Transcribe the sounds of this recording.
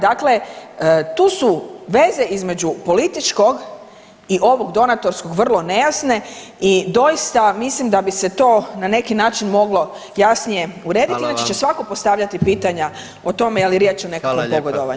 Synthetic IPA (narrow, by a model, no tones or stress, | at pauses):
d̪akle̞ | t̪uːsuʋe̞ze̞ʔizme̞d͡ʒupo̞lit̪it͡ʃko̞ɡ | iʔo̞ʋo̞ɡd̪o̞nat̪o̞ɾsko̞ɡʋr̩lˠo̞ne̞jasne̞ | id̪o̞jist̪amislimd̪abise̞t̪o̞ːnane̞kinaːt͡ʃinmo̞ɡlo̞ | jasnije̞uɾe̞ːd̪it̪iinat͡ʃet͡ʃe̞sʋako̞post̪aʋʎat̪ipiːt̪aɲa | o̞t̪o̞mejaliɾjet͡ʃone̞kakʋompoɡod̪oʋa̰ɲ